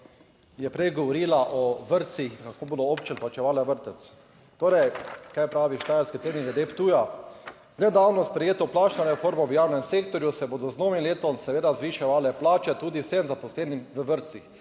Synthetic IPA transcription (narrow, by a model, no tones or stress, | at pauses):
jɛpɾɛjɡɔʋɔɾiːlaʔɔʋəɾt̪sixkakoːbod̪ɔopt͡ʃɛnplat͡ʃɛʋaːlaʋəɾt̪ɛt̪s | t̪oːɾɛjkajpɾaːʋiʃt̪aːjalskit̪eniɡɛd̪ept̪uːja | znɛd̪aːwnɔspɾɛjeːt̪ɔplaːt͡ʃnɔɾɛfoːɾmɔʋjaːwnɛmseːkt̪ɔɾjusɛboːd̪ɔznoːʋimleːt̪ɔmsɛʋeːd̪azʋiʃɛʋaːlɛplaːt͡ʃɛt̪uːd̪iwsemzapɔslɛːnimʋəʋəɾt̪six